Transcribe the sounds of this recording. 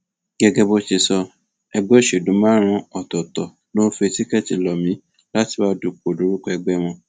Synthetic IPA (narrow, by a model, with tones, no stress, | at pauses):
ɡɛ˦ɡɛ˦bo˦t͡ʃi˧sɔ˧ | ɛ˧ɡ͡bɛ˦˨ʃe˨dũ˨˦mãː˦ɾ̃ã˧ɔ˨tɔ˨tɔ˨ | no˦fe˧ti˦kɛ˦˨ti˧lɔ˨mĩ˨˦ | la˦ti˧˦ba˧˦du˨k͡po˨du˨˦ɾu˦kɔ˧ɛ˧ɡ͡bɛ˦w̃ɔ̃˧